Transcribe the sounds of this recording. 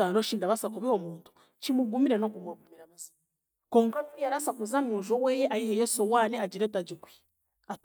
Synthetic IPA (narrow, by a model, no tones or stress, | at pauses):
anoʃiːndaβasakuβiomuːntu̥ | t͡ʃimuɡumiɾenokumwaɡumiɾaβazi | koːŋkaninijaɾasakuzamuːʒowejeʔajiɦejosowaneaɟiɾetaɟikwi̥ | a